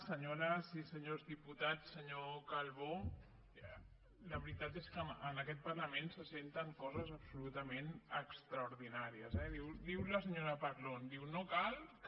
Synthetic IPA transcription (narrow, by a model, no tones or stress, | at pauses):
səɲoɾəsisəɲozðiput̪at͡sːəɲokalˠβo | ləβɾit̪at̪eskəənəkɛt̪̚pəɾləmensəsent̪əŋkɔzəzəpsulut̪əmenəkst̪ɾəuɾðinaɾiəzɛðiwd̪iwləs̬əɲoɾəpaɾlond̪iwnokalˠk